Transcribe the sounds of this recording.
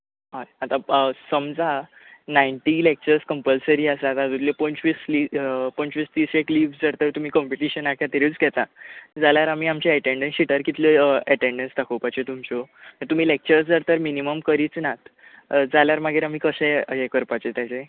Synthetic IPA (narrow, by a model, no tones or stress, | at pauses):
ɦaeat̪asəmd͡za | naiɳʈilek̚t͡ɕəɾskəmpəlsəɾiːasat̪ad͡z̪ut̪lepɔnt͡ɕʋislipɔ̃nt͡ɕʋiːsd̪iːsekliːʋsd͡zəɾt̪əɾt̪um̤iːkɔ̃mpiʈiɕənakʰjat̪eɾit͡sɡɛt̪ad͡zaljaɾam̤iːamt͡ɕeɛʈeɳɖẽnsiʈəɾkit̪leɛʈeɳɖensɖakʰowpat͡ɕet̪umt͡ɕot̪əɾt̪um̤iːlek̚t͡ɕəɾsd͡zəɾt̪əɾminiməmkəɾiːt͡snat̪d͡zaljaɾmaɡʱeɾam̤iːkəɕẽekəɾpat͡ɕet̪jat͡se